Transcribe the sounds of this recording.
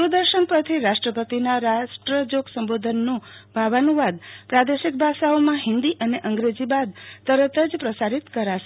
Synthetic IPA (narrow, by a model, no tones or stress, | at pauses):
ɾud̪əɾʃənpət̪ʰiɾaʃʈɾəpət̪inaɾaʃʈɾəd͡ʒoɡsəmbod̪ʱənːũbʱaʋanuʋad̪pɾad̪eʃik̚bʱaʃaomãɦɪ̃nd̪iʔəneʔəŋɡɾed͡ʒibad̪̚t̪əɾət̪əd͡ʒpɾəsaɾit̪kəɾaʃe